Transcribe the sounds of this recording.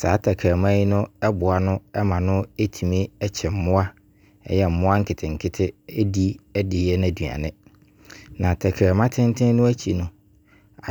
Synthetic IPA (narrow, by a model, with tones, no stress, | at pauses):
saː˨˦tʰa˨kʰa˨mã˦ji˦nʊ̃˦ɛ˦bʊ˨a˨nʊ̃˦ɛ˦mã˨nʊ̃˦e˦tʰi˨mĩ˦ɛ˦t͡ɕʰɛ˨m̩˨˦mʊ̃˦a˦ | ɛ̰˦jɛ˨m̩˨mʊ̃˦a˦ŋ̩˦kʰɪ˨tʰɪ˨ŋ̩˨kʰɪ˦tʰɪ˦ɛ˦di˦ɛ˦dɪ˨˦ɛ˦nã˨du˨a̰˨nɪ̃˦ | nã˨tʰa˨kʰa˨mã˦tʰɪ̃˦n˦tʰɪ̃˦nʊ̃˦æ˦t͡ɕʰi˨nʊ̃˨ | a˨